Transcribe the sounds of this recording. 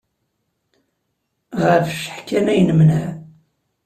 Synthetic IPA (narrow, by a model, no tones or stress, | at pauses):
ʁəɾfʃə̥ħkːænæjnəmnæ